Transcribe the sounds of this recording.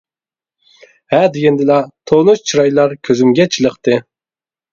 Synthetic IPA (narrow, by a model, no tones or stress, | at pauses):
hɛd̪ɪɡʲɛnd̪ɪlɑt̪ʰonuʃt͡ʃʰiɾɑjlˠɑɾkʲʰøzymɡʲɛt͡ʃʰilˠəqt̪ɨ